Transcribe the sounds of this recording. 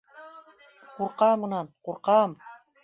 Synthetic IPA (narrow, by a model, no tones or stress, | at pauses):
quɾqɑmɤ̆nɑnquɾqɑm